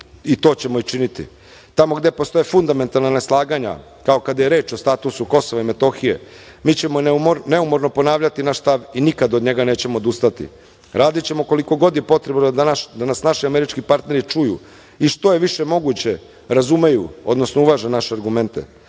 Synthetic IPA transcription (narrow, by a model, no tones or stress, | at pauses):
it̪o̞ːt͡ɕe̞mo̞it͡ʃinit̪ḭ | t̪amo̞ɡd̪e̞post̪o̞jefund̪ame̞nt̪alnaneslˠaːɡaɲa̰ | kao̞kad̪aje̞ɾe̞ːt͡ʃo̞st̪at̪usuko̞soʋaime̞t̪o̞xije̞̰ | miːt͡ɕe̞monmone̞umo̞ɾno̞po̞naːʋʎat̪inaʃst̪aʋinikad̪od̪ɲe̞ɡane̞ːt͡ɕe̞mood̪ust̪at̪ḭ | ɾaːd̪it͡ɕe̞moko̞liko̞ɡo̞d̪je̞po̞t̪ɾe̞bnd̪anasnaʃiame̞ɾit͡ʃkipaɾt̪ne̞ɾit͡ʃujṵ | iʃt̪o̞je̞ʋiʃe̞mo̞ɡut͡ɕe̞ | ɾazume̞juo̞̰d̪no̞snouʋaʒenaʃeaɾɡume̞nt̪e̞̰